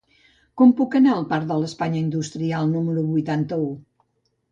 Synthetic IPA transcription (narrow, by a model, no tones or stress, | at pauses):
kɔmpukənaəlˠpaɾd̪ələspaɲəind̪ust̪ɾialˠnuməɾuβujt̪ant̪əu